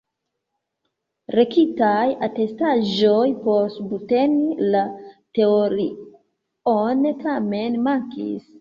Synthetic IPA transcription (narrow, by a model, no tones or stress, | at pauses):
ɾe̞kitajate̞staʒojpo̞stbute̞nilate̞oɾi | onetʰame̞nmaŋkḭs